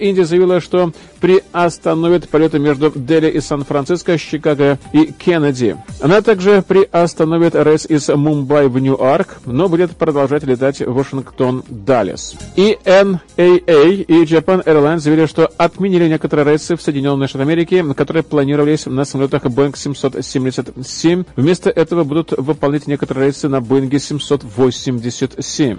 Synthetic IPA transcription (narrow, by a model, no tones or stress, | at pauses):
inʲdʲɪjəzəjɪvʲilˠəʂt̪o̞ | pɾʲɪɐst̪ɐnovʲɪt̪pɐlʲo̞t̪ɨmʲe̞ʐd̪ʊd̪elʲɪʔɪsanfɾɐnt̪sɨskəɕːɪkaɡəikʲʰenədʲɪ̰ɐnat̪aɡʐɨpɾʲɪʔɐst̪ɐno̞vʲɪt̪ɾejt̪sɪzmʊmbajvnʲuʔarkno̞budʲɪt̪pɾəd̪ɐlˠʐatʲlʲɪt̪atʲvəʂɨnkt̪o̞nd̪alʲɪ̰siɛnejejid͡ʒɐpanɛrlˠajnzəjəvʲilʲɪʂt̪o̞ɐt̪mʲɪnʲilʲɪnʲe̞kət̪əɾɨjəɾɛjt̪sɨfsəjdʲɪnʲo̞nːɨjəʂt̪at̪ɐmʲeɾʲɪkʲɪkɐt̪o̞ɾɨjəplˠɐnʲiɾəvəlʲɪsʲnəsəmɐlʲot̪əxbojnksʲɪmʲso̞t̪sʲemʲdʲɪsʲət̪ʲsʲemʲvmʲe̞st̪əʔɛt̪əvəbud̪ʊt̪vɨpɐlˠnʲætʲnʲe̞kət̪əɾəɨəɾejt̪sɨnɐboɪnɡʲɪsʲɪmʲso̞t̪vosʲɪmʲdʲɪsʲət̪ʲsʲemʲ